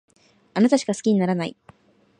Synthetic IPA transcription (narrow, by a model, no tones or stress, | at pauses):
anat̪aɕi̥kasɨ̥kʲiɲ̟inaɾanaḭ